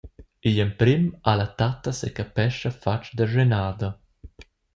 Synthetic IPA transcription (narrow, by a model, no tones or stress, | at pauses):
iʎəmpɾimalat̪at̪ːɐsekapɛʃafat͡ʃd̪əʒenaːd̪ɐ